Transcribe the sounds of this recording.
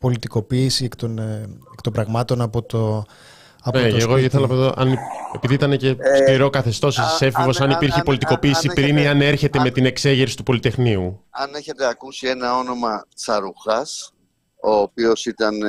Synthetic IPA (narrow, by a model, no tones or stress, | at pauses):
po̞lit̪iko̞piːsiekt̪onekt̪ombɾɐɣmɐt̪o̞nɐpo̞t̪o | ɐpeeɣoiθelɐfoðoʔɐnie̞piðiit̪ɐne̞ce̞sliɾo̞kɐθe̞st̪o̞sissefivo̞sɐnipiɾçipo̞lit̪iko̞piːsipɾiniɐne̞ɾçe̞t̪e̞me̞t̪ine̞kse̞ʝe̞ɾsi̥t̪upo̞lit̪e̞xniuɐneçe̞t̪e̞ɐkusienɐo̞no̞mɐt͡sɐɾuxɐs | o̞ːpio̞sit̪ɐn